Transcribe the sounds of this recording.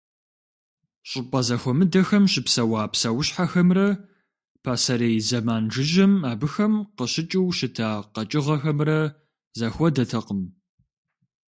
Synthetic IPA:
ɕʼɪpʼɐzɐxʷɔmɨdɐxɐmɕɪpsɐwaːpsɐwʊɕħaxɐmrɐ | pʰaːsɐɾeːjzɐmaːnʐɨʒɐmaːbɨxɐmqəɕɪt͡ʃʼɪwʃɪtʰaːqɐt͡ʃʼɪʁɐxɐmrɐ | zɐxʷɔdɐtʰɐqəm

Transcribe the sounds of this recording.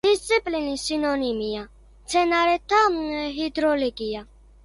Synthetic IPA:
ist̪ʼːipʼlinisinɔnimija | t͡sʰɛnaɾɛt̪ʰːaɦid̪ɾɔlikʼija

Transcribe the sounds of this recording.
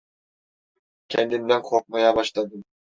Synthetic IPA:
kʲʰɛnd̪ind̪ænkʰoq̚mɑjɑbɑʃlˠɑd̪ɯm

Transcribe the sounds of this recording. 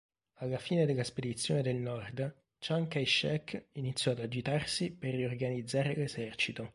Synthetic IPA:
alːafiːned̪elːasped̪it̪sːjo̰ːned̪elnɔrd̪ | t͡ʃaŋkajʃɛkːinit̪sːjɔad̪ad͡ʒit̪arsiperːiorɡanid̪zːaːɾelezɛrt͡ʃit̪o

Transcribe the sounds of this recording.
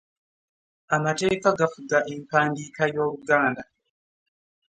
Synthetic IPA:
amatɛikaɡafuɡaʔimpandikajoɾuɡaːnda

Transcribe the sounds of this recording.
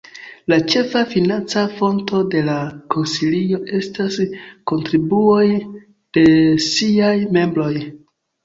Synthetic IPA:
lat͡ʃe̞fafinant͡safo̞nto̞de̞lako̞nsilio̞ʔe̞stasko̞ntɾibuo̞j | d̥e̞siajme̞mbɾo̞j

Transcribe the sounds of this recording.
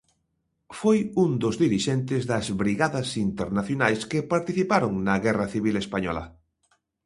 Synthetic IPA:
fojund̪ozðiɾiʃɛnt̪ɪzðɐzβɾiɣaðɐsint̪eɾnaθjonajskɪpaɾt̪iθipaɾoŋnɐɣɛrɐθiβ̞ilespaɲɔ̰lɐ̰

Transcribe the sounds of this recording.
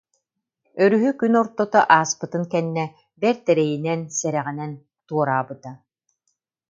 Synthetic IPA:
œɾyɦykynɔɾt̪ɔt̪ɔʔaːspɯt̪ɯnkɛnːɛ | bɛɾt̪ɛɾɛjinɛnsɛɾɛʁinɛn | t̪uɔɾaːbɯt̪a

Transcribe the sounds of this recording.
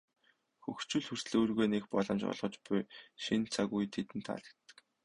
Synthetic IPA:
xɵxt͡ɕŭːɮxɵr̥sɮɵːrɣeːnekpɔ̰ɮɞ̆mt͡ɕɔ̰ɮʁɞ̆t͡ɕpʊjʃint͡sʰaɣujt̪ʰet̪ɘ̆nt̪ʰːa̰ɮə̥̆kt̪ːə̥̆k

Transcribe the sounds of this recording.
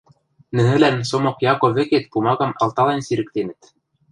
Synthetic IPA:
nɘ̆nɘ̆lænsomokjɑkoβɘ̆ket̪pumɑɣɑmɑ̰lˠt̪ɑlˠɑnsiɾɘ̆k̚t̪enɘ̆t̪

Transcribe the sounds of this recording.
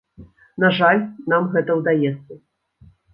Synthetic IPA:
naʐalʲnamɣɛt̪ɐwd̪ajɛt̪sːɐ

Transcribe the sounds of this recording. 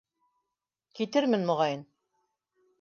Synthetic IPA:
kit̪ɘɾmɘnmŏʁɑjɤn

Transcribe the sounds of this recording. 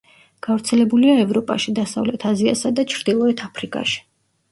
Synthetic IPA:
ɡ̥avɾt̪sʰɛlɛbuliaɛvɾɔpʼa̰ʃid̪asa̰vlɛt̪ʰazia̰sad̪at͡ʃʰɾd̪ilˠɔɛt̪ʰapʰɾikʼa̰ʃi̥

